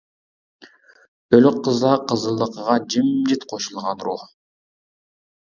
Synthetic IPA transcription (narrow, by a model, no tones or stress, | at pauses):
ølyqʰːəzd̪ɑqʰəzəlˠd̪əqəʁɑd͡ʒimd͡ʒit̪qʰoʃulˠʁɑnɾuh